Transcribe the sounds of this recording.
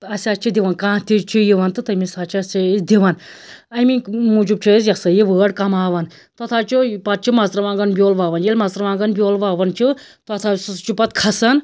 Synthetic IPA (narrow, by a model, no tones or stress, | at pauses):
ɐsʲaːt͡ʃʰid̪ʲiʋɐnkãːt̪it͡ʃʰijiʋɐnt̪ɨt̪ɐmisaːt͡ʃʰiɐsid̪iʋɐnɐjminmud͡ʒub̚t͡ʃʰizjɐsɐjiʋəːɽkɐmaːʋɐn | t̪ɐt̪ʰaːt͡ʃʰupɐt̪̚t͡ʃʰimɐzɾɐʋãːŋɡɐnbʲjoːlʋaːʋɐnjelʲmɐzt̪ɾɐʋãːŋɡɐnbʲjoːlʋaːʋɐnt͡ʃʰi | t̪ɐt̪ʰast͡ʃupɐt̪̚kʰɐsɐn